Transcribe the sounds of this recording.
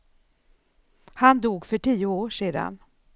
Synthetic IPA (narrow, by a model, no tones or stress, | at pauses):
hand̪uːɡfœʈʰiːʊoːʂeːd̪a̰n